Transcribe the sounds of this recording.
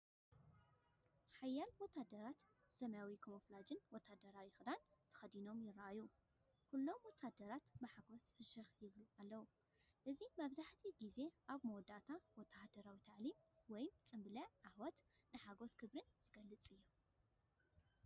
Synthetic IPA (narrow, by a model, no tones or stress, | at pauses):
ħajːalwɔt̪ʰːad̪ɐɾat̪ | sɐmjawikʰomoflad͡ʒɨnwɔt̪ʰːad̪ɐɾawjɪxd̪ant̪ʰɐ̥xɐd̪ino̞mjɪrːaʔaju | kulːo̞mwɔt̪ʰːad̪ɐɾat̪bɨħaɡo̞sfɨʃɨxjɪβlualːɐwu | ʔɨzimaβzaħt̪ʰiɡize̞ʔaβmowd̪at̪ʰawɔt̪ʰːahd̪ɐɾawit̪ʰaʕlimwɔjmt͡sʼɨmbɨlɐʕʕahwɔt̪nɨħaɡo̞skʰɨβɾɨnz̥ɨɡɐlːɨt͡sʼɨjːo